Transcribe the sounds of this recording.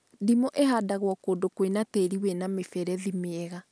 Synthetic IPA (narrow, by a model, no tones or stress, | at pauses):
dimoʔehaːdaɣwɔkondokwenateːɾiwɛnamefɛɾɛðimeɛɣa